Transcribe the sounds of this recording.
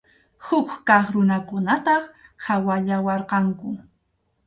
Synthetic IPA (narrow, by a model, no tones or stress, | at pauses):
hʊkkɑχɾʊnakʊnat̪ɑχhawaʎawɑɾqɑŋkʊ